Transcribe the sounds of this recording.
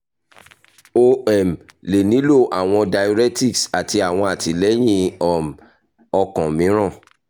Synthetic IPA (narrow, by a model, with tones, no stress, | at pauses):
o˦ɛ˨mle˨nĩ˨˦lo˦˨ʔa˨w̃ɔ̃˧da˧jo˧ɾɛ˦ti˦˨ksa˨ti˧a˨w̃ɔ̃˧a˨ti˨˦lɛ˦j̃ĩ˦ɔ˨m | ɔ˧kɔ̃˨mĩ˨˦ɾ̃ã˦˨